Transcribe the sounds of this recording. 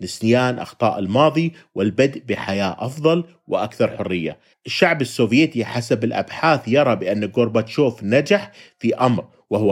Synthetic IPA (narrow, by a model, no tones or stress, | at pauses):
nɪsnɪjaːnʔɑ̰xt̪ˤɑːʔɪlmɑːðˤi | wɪlbad̪ʔbɪħajaːʔɑfðˤɑl | wɪʔakθɑɾˤħʊrːɪjːa̰ | ʔɪʃːaʕbɪsːoːvjeːt̪iħasabɪlʔa̰bħaːθjɑɾˤɑbɪʔanːɪlɡʊɾbat̪ʃuːfnad͡ʒaħfiʔamɾ | wɪhʊwː